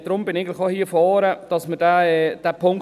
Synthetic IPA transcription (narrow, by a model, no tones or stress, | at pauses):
d̥ɾʊmbɪnɪɡŋ̩tlɪxohiːəfɔːɾəd̥ɑsməd̥æɛd̥æpʰʊŋk